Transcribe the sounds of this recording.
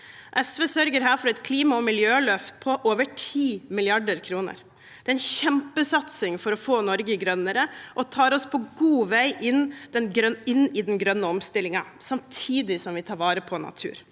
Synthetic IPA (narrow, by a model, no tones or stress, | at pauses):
ʔɛsʋesœɾɡəɾɦæːɾfɔɾɛt̪kʰliːmɑɔmɪljøːlœft̪pʰɔʔoːʋəʈʰiːmɪlɪɑɖəɾkʰɾuːnə̰ɾ | d̪̥ɛːɛɪnɕɛmpəsɑt̪sɪŋfɔɾɔfoːnɔɾɡəɡɾœnːəɾəʔɔt̪ʰɑːɾɔspʰɔɡuːʋæɪʔɪnd̪ɛnɾɪnːɪd̪ɛnɡɾœnːəɔmst̪ɪlɪŋɑsɑmt̪ʰiːd̪ɪsɔmʋɪt̪ʰɑːɾʋɑːɾəpʰɔnɑ̰t̪ʰʉ̰ːɾ